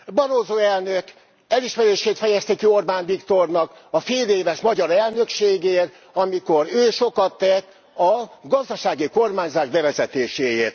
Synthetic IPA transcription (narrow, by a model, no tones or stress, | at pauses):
bɒɾoːzoːɛlnøk | ɛliʃmɛɾeːʃeːt̪fɛjɛst̪ikio̞rbaːnvikt̪o̞rnɒkɒfeːleːvɛʃmɒɟɒɾɛlnø̞kʃeːɡeːr | ɒmiko̞ɾøːʃo̞kɒt̪ːɛt̪ː | ɒɡɒzd̪ɒʃaːɡiko̞rmaːɲzaːʒbɛvɛzɛt̪eːʃeːjeːrt̪